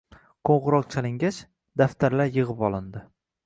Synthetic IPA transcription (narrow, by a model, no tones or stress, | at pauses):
qʰoɴʁɨɾɒq̚t͡ʃʰalɪŋɡʲat͡ʃ | d̪aft̪ʰaɾlaɾjɨʁɨpɒlˠɪnd̪ɪ